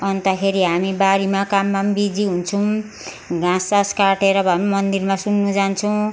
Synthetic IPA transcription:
ʌnt̪ʌkʰeɾiɦamibaɾimakamːambid͡ziɦunt͡sʰuw̃ | ɡãsaskaʈeɾʌbʱʌmʌnd̪irmasunːud͡zant͡sʰʌw̃

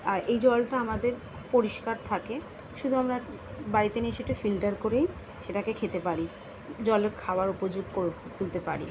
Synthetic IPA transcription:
aɾejd͡ʑɔlʈaamad̪eɾ | poɾiʃkaɾt̪ʰake | ʃud̪ʱuamɾa | baɾit̪eniʃeʈefilʈaɾkoɾej | ʃeʈakekʰet̪epaɾi | d͡ʑɔleɾkʰaoaɾupod͡ʑuɡkoɾt̪ult̪epa̰ɾḭ

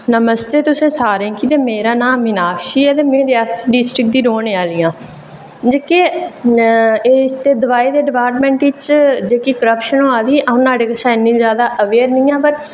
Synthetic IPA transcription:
nəməst̪eːt̪ʊsẽːsaːɾẽːkit̪eːmeːɾaːnãːɪnaːkʃiːɛːt̪eːmẽːd̪easɖisʈɾɪk̚d̪iːɾoːneːaːliːãː | d͡ʒeːkeː | eːst̪eːd̪əʋaːeːd̪eːɖɪpaːɾʈmɛ̃ːɳʈɪt͡ʃd͡ʒeːkiːkəɾəpʃənoːaːd̪iːʔəõːnaːɽeːkəsãːɪnːĩːzjaːd̪aːʔəʋeːɾnĩːãːpəɾ

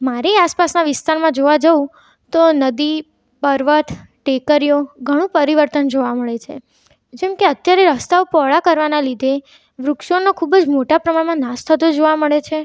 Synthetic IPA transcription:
maɾiaspasnaʋɪst̪aɾmãd͡ʒoʋad͡ʒəũ | t̪onəd̪i | pəɾʋət̪ʰ | ʈekəɾijoɡʱəɽ̃ũpəɾiʋəɾt̪ənd͡ʒoʋaməɭet͡ʃʰḛ | d͡ʒɛmkeət̪jaɾeɾəst̪aʋpɔɭakəɾʋanalid̪ʱe | ʋɾʊkʃonokʰubəd͡ʒmoʈapɾəmaɽmãnast̪ʰət̪od͡ʒoʋaməɭet͡ʃʰe

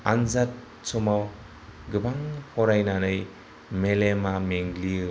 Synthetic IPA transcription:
anzat̚ | sɔmaw | ɡɯbaŋhɔɾajnanɯj | melemameŋli

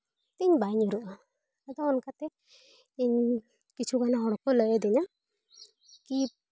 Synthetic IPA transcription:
t̪iɲbajɲuɾuʔa | ad̪ɔɔnkat̪ɛ | iɲ | kit͡ʃʰukanaɦɔɽɔkɔlɔjɔd̪ɛɲa | ki

